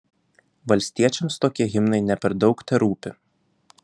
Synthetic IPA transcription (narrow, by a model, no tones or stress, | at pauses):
ʋɐlʲsʲt̪ʲiɛt͡ʃʲɛmst̪oːkʲiɛɣʲɪmnɐɪnʲɛpʲɛɾd̪ɒʊkt̪ʲɛɾuːpʲɪ